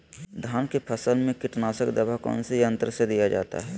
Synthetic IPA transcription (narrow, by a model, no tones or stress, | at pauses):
d̪ʱaːnkepʰəsəlmẽkɪʈnaːsəkd̪əbakɔ̰ːnsejə̃nt̪ɾəsed̪ijad͡ʒa̰ːt̪a̰ɦɛː